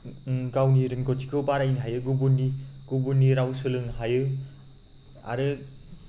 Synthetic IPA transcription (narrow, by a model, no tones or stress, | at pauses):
ɡawniɾɯnɡɔtikʰɯbaɾajnɦajɯɡubunːiɡ̥ubunːiɾawsɯlɯŋɦajɯ | a̰ɾɯ